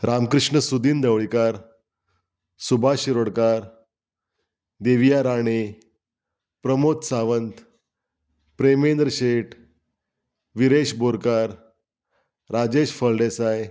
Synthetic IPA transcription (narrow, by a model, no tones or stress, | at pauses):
ɾʔamkɾɨʂɳəsud̪iːnd̪əʋɭikaɾ | subʱaɕiɾoɽkaɾ | d̪eʋijaɾaɽ̃e | pɾəmot̪saʋənt̪ | pɾemend̪ɾəɕeʈ | ʋiɾeɕboɾkaɾ | ɾad͡ʑeɕfəlɖesaj